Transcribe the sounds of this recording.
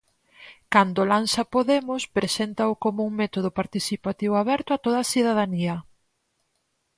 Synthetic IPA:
kand̪ʊlansɐpoðemʊspɾesent̪ɐʊkomuuŋmet̪oð̞ʊpaɾt̪iθipat̪iβʊaβɛɾt̪ʊat̪oð̞ɐasiðaðaniɐ

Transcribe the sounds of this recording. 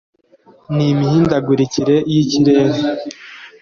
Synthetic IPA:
nimihiːndaɡuɾiciɾe̞jiciɾe̞ːɾe

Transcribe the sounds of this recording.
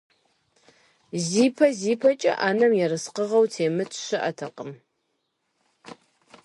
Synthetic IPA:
ziːpʰɐziːpʰɐt͡ʃʼɐ̰ʔaːnɐmjɛɾɨsqəʁɐwtʰeːmɨt͡sʰʼʃɨʔɐtʰɐqʼəm

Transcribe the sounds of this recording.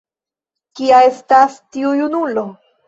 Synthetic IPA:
kiae̞stastiujunulo̞

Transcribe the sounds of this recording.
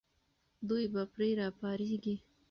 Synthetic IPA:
d̪ujbapɾeɾɑpɑɾeɡi

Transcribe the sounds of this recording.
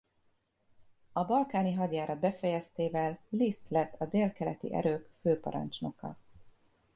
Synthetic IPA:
ɒbɒlkaːniɦɒɟ̪jaːɾɒd̪̚bɛfɛjɛst̪eːvɛlːist̪lɛt̪ʰːɒd̪eːlkɛlɛt̪ḭʔɛ̰ɾøːkføːpɒ̰ɾɒ̰nt͡ʃno̞kɒ̰

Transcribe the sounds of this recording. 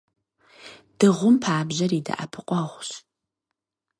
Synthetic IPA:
d̥ɨʁʷʊmpʰaːbʑɐɾiːdɐ̰ʔa̰pʰɨqʷʼɔʁʷɕ

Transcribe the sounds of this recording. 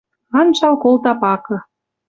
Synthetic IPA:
ɑnʃɑlkolt̪ɑpɑkɤ̆

